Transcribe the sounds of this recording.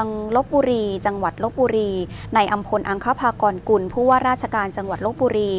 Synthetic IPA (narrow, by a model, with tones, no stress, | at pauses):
ŋlo˦˥p̚buː˧ɾiː˧t͡ɕa˧ŋwa˨˩t̪̚lo˦˥p̚buː˧ɾiː˧na˧jʔa˧mpʰo˧nʔa˧ŋkʰa˦˥˩pʰaː˧kɔː˧nku˧npʰuː˥˩waː˥˩ɾaː˥˩t̪̚t͡ɕʰa˧kaː˧nt͡ɕa˧ŋwa˨˩t̪̚lo˦˥p̚buː˧ɾiː˧